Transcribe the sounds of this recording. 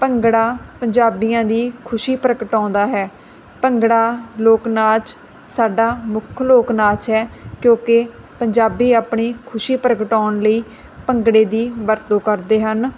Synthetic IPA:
pəŋɡɽaːpəɲd͡ʒaːbijãːd̪iːkʰʊʃiːpɾəkəʈãːnd̪aːɦɛː | pəŋɡɽaːloːknaːt͡ʃ | saːɖaːmʊkʰloːknaːt͡ʃɦɛːkjõːke | pəɲd͡ʒaːbiːaːpɳiːkʰʊʃiːpɾəkəʈaːnləiː | pəŋɡɽeːd̪iːʋəɾt̪õːkəɾd̪eːɦən

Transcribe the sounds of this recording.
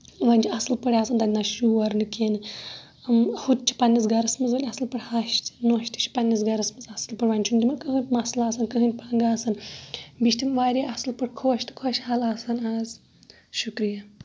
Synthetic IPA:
ʋɐnʲd͡ʒiɐsɨlpəɽaːsɨnd̪ɐdʲnaʃuːʋɐɾnɨkʲenɨ | mhut̪̚t͡ʃʰi̥pɐnʲːis̬ɡɐɾɐsmɨzʋɐnʲɐsɨlpɨɽhɐʃt̪noːʃt̪i̥t͡ʃʰi̥pɐnʲːis̬ɡɐɾɐsmɨzɐsɨlpɨɽʋɐnʲt͡ʃʰunʲd̪ʲimɐnkɨɦɨt̪mɐslaːsɐnkɨɦɨnʲt̚ʲpaŋɡaːsɐnbiʃt̪imʋaːɾʲiɐsɨlpɨɽkʰoːʃt̪ɨ̥kʰoʃhɐlaːsɐnaːz | ʃukɾijɐ

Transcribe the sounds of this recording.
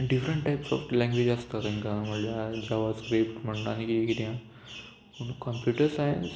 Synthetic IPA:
ɖifɾə̃ɳʈʈajpsɔ̰ːflɛ̃ŋɡʋed͡ʒəst̪at̪ĩŋkaməljad͡ʑaʋaskɾeːpʈm̤əɽ̃una̰nikikit̪jã | unukəmpjuːʈəɾsajə̰ns

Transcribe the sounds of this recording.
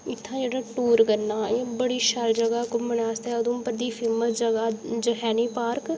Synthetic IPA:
ɪt̪ʰːãːd͡ʒeːɽaːʈuːɾkəɾnaːebəɽiːʃəld͡ʒəɡaːkʊməɳaːst̪ɛːʊd̪õːpəɾd̪iːfʰɪməd͡ʒəɡaːd͡ʒəɦɛːniːpaːɾk

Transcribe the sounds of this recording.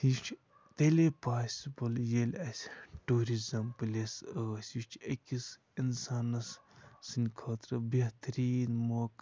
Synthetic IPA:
jit͡ʃʰ | t̪elepaːsbɐljelʲɐsʲʈuːɾizɐmpɨlʲesəsʲjit͡ʃʰekʲis | insaːnɐssɨnʲkʰɐːt̪ɾɐbɐt̪ɾiːnmok

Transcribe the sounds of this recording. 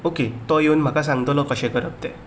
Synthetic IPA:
oket̪ɔjeunm̤akas̬ãŋɡt̪ɔlɔkəɕɛ̃kəɾəp̚t̪ɛ

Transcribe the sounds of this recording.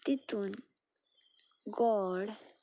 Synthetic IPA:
t̪it̪un | ɡɔɽ

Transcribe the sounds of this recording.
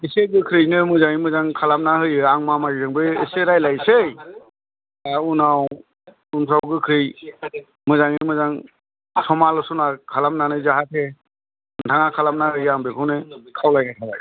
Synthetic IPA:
iseɡɯkʰɾɯjnɯmɯzaŋimɯzaŋkʰalamnahɯjɯaŋmamazizɯŋbɯeseɾajlajsej | aunaw | unpsʰawɡɯkʰɾɯj | mɯzaŋimɯzaŋ | sɔmalɯsunakʰalamnanɯzaɦatʰe | ntʰaŋakʰalamnahɯjɯaŋbekʰɯwnɯkʰawlajnajkʰabaj

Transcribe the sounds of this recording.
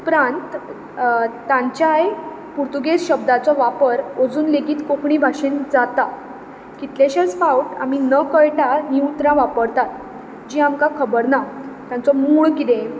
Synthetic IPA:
upɾãnt̪ | ãɲt͡ɕjaj | puɾt̪uɡesɕəb̚d̪at͡sɔʋapəɾod͡zuːnleɡiːt̪kokʰɳiːbʱaʂind͡zat̪a | kit̪laɕat͡sfawʈa̰m̤inəkəɭʈaniut̪ɾãʋapəɾt̪at̪ | d͡ʑiːamkakʰəbəɾnat̪jãnt͡sɔmuːɭkid̪ẽ

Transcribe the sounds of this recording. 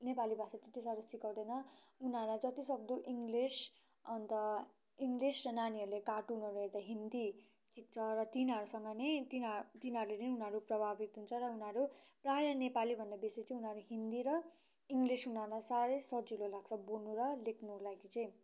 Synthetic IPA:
nepalibʱasat̪et̪isaɾusikʌwd̪ʌnʌunɦaɾlajd͡zʌt̪isʌɡ̚d̪uʔiŋɡlis | ʌnt̪ʌ | iŋɡlisrʌnaniʌɾulekaʈunʌɾuɦeɾd̪aɦind̪i | t͡sik̚t͡sʰʌrʌt̪inʌɾusʌŋɡʌnejt̪int̪inɦʌɾuleɾʌniunɦʌɾuprʌbʱabit̪ɦunt͡sʰʌɾʌunɦʌɾupraɦɾjʌnepalibʱʌnd̪abeset͡sʌĩunʌɾuɦind̪iɾʌ | iŋɡlisunʌɾulasaɾejsʌd͡zulolaɡ̚t͡sʰʌbonuɾʌlekʰnulaɡit͡sʌ̃j̃

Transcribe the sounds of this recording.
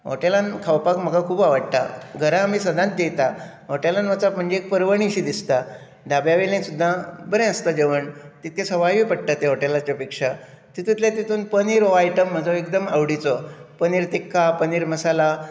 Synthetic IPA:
ɦo̰ʈelankʰawpakm̤əɡakʰuːbaʋəɽt̪a̰ɡʱəɾaːmiːsəd̪ʱãt̪̚d̪et̪a | ɦoʈelanʋət͡sapm̤əɳd͡ʑeek̚pəɾʋəɳ̃iɕiːd̪ist̪a | d̪abjaʋelẽsud̪ʱːabəɾẽəst̪ad͡ʑeʋəɳt̪it̪̚kesəʋajʋiːpəɽt̪at̪eɦoʈelat͡ɕjapikʂa | t̪it̪it̪ljat̪it̪ʰuːnpəniːɾoajʈəm̤ːəd͡zɔekd̪əmaʋɽit͡sɔpəniːɾt̪ekʰːapəniːɾməsala

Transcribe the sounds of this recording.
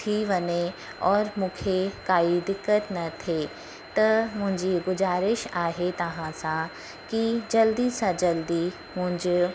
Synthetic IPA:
t̪ʰiʋɐne | ɔːɾmʊ̃ːkʰekaːid̪ɪkət̪nɐt̪ʰe | t̪ɐmʊ̃ɦɪ̃ɲd͡ʒiɡʊzaːɾɪʃaːɦet̪ɐɦãsã | kid͡ʒɐld̪isãd͡ʒɐld̪i | mʊ̃ɦɪ̃ɲd͡ʒ

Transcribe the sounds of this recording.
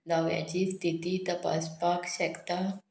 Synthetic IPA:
d̪aʋja̰t͡ɕiːst̪ʰit̪iːt̪əpa̰spakɕɛkt̪a

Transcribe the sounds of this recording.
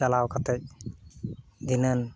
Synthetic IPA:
alawkat̪ɛc̚ | d̪inən

